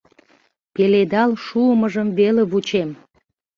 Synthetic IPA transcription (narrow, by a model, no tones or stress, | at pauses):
peled̪ɑlʃuəməʒəmveleβut͡ɕem